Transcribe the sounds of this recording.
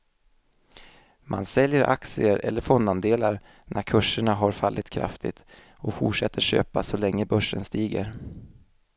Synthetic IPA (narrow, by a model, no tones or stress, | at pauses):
mʔansɛljəɾʔaksɪəɾɛ̰lːəɾfɔnd̪and̪eːlaɾ | nʔæɾkʰɵʂəɳaɦaɾfalːʔɪt̪kʰɾa̰ft̪ʰɪ̰t̪ | ɔfʊʈʂɛt̪ːəɕø̰ːpasɔlɛŋːəbœʂːənst̪iːɡə̰ɾ